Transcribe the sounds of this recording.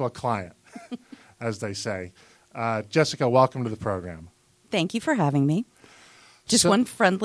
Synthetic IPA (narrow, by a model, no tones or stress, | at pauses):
əkʰl̥aɪɨ̃nt̚ | ɨzðeɪseɪ | ʌd͡ʒɛsɨkəwɛlˠkm̩tɨðəpʰɹ̥oʊɡɹæ̰̃m | θæ̃ŋkjɨfə˞ɦævɪ̃ŋmi | d̥ʒ̥ʌst̚wʌ̃nfɹɛ̃ndˡl